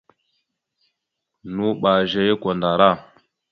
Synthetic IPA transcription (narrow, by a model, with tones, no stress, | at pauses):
nu˦ɓa˨ʒe˨je˦ko˨nda˨ɾa˦˨